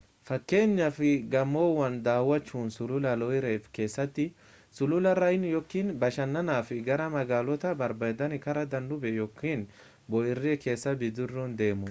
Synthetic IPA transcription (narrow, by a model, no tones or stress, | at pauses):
fɐkːe̞ːɲːɐfɪɡɐmːoːwɐnd̪aːwːɐt͡ʃːuːnsʊlʊlɐlɔɪɾeːfke̞ːsːɐt̪ːɪ | sʊlʊlɐɾɐɪnjɔkːiːnbɐʃɐnːɐnaːfɪɡɐɾɐmɐɡaːlɔt̪ɐbɐɾbɐd̪ɐnɪkɐɾɐd̪ɐnd̪ʊbɛjɔkʰːiːn | bɔʔɪrːeːke̞ːsːɐbɪd̪ʊrːɔːnd̪e̞ːmʊ